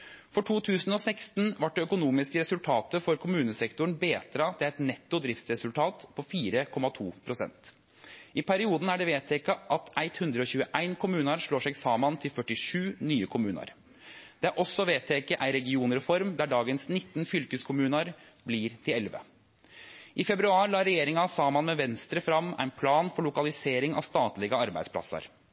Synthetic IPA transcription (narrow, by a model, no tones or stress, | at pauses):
fɔʈʰuːt̪ʰʉːsn̩ɔsæɪkst̪n̩ʋɑʈ̚ɖ̪ɛœkʊnuːmɪskəɾɛsʉlt̪ʰɑːt̪əfɔɾkʰʊmʉːnəsɛkt̪ʊɳ̩beːt̪ɾɑt̪ʰɪlæɪt̪nɛt̪ːʊd̪ɾɪft̪sɾɛsʉlt̪ʰɑːt̪pʰɔfiːɾəkʰɔmɑt̪ʰuːpʰɾʊsɛ̰nt̪ | ʔɪpʰæɾɪuːd̪n̩æɖɛʋeːt̪ʰɛkɑʔɑt̪æɪt̪hʉnd̪ɾəɔçʉːəʔæɪnkʰʊmʉːnɑɾʂɭoːʂɛɡsɑːmɑnt̪ʰɪlfœʈːɪʂʉːnyːəkʰʊmʉːnɑ̰ɾ | d̪̥ɛæʔɔsːɔʋeːt̪ʰɛkəʔæɪɾɛɡɪuːnəɾfɔɾmd̪æɖɑːɡənsnɪt̪ːənfʏlkəskʰʊmʉːnɑɾ | bliːɾt̪ʰɪlɛlʋə̰ | ʔɪfɛbɾʉɑːɾlɑːɾɛjeːɾɪŋɑɑsɑːmɑnmɛʋɛnst̪ɾəfɾɑmːæ̰ɪnpʰlɑːnfɔɭʊkɑlɪseːɾɪŋɑ̰st̪ɑːt̪lɪɡəɑɾbæɪd̪spʰlɑ̰sə̰ɾ